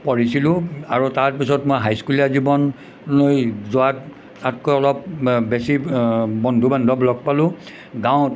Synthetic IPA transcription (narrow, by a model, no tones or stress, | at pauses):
pɔɹisilʊ̃aɹutaɹpisɔtmojɦajskulɛazibɔn | lojzʊat | atkɔɔlɔp̚besibɔndʱubandʱɔplɔɡ̚palʊ̃ | ɡãw̃